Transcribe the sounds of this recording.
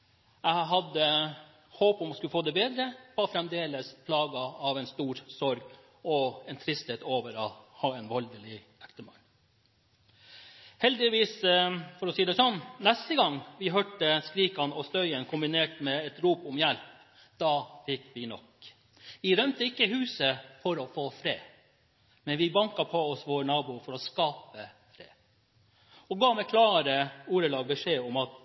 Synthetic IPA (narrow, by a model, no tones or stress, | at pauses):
æɪɦɑd̪ə | hoːpɔmɑskʉfoːd̪ɛbeːd̪ɾəʋɑfɾɛmd̪eːləspʰlɑːɡəɑʋɛɪnst̪uːɾsɔɾɡ | ɔɛnt̪ʰɾɪst̪heːt̪oːʋəɾɑhɑːɛnʋɑld̪əlɪ | ækt̪əmɑ̰n | hɛld̪ɪʋiːsfɔɾɔsiːd̪ɛsɔnːnɛst̪əɡɑŋːʋɪɦœːʈəskɾiːkɑnɔst̪œʏənkʰʊmbɪneːʈmɛɛt̪ɾuːpʊmjælp | d̪̥ɑːfɪkːʋɪnɔ̰k | ʋɪɾœmt̪əɪkːəhʉːsəfɔɾɔfoːfɾeː | mɛnʋɪbɑŋkɑpʰɔɔsʋoːɳɑːbuːfɔɾɔskɑːpə | fɾḛː | ɔɡɑːmɛkʰlɑːɾəuːɾəlɑːɡbɛʂeːɔmɑt̪